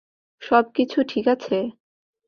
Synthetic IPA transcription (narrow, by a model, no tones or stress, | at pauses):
ʃɔb̚kit͡ɕʰuʈʰikat͡ɕʰe